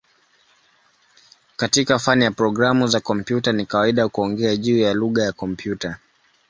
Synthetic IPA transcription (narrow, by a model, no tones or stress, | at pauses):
katikafanijapɾɔɡɾamuzakɔm̩pjutanikawaiɗakuɔŋɡɛaʄuːjaluɠajakɔmpʰjuta